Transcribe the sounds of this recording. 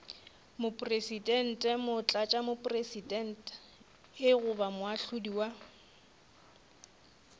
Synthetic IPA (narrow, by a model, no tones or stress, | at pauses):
mʊpʼresidʼɛn̩tʼɛmʊt͡ɬʼat͡ʃʼamʊpʼresidɛn̩tʼ | ɪɣʊbamʊaɬʊdiwa